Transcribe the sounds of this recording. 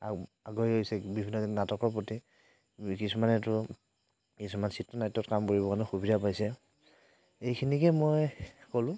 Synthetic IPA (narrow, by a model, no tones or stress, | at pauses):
aaɡoiojsɛbibʱinːɔnatɔkɔɹpoti | kisumanɛtʊ | kisumansitːɔnajtːɔtkamkoɹibɔkanʊxubidapajsɛ | ejkʰinikɛmojkolʊ̃